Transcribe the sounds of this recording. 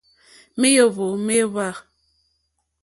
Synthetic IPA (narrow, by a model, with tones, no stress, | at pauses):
me˦jo˦˨βo˨me˦βa˦˨